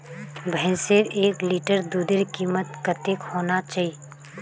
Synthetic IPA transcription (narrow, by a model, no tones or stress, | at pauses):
bʱɛ̃ːseɾeːkliːʈəɾd̪uːd̪ɪɾkiːmət̪kət̪ekhoːnat͡ʃaːɦi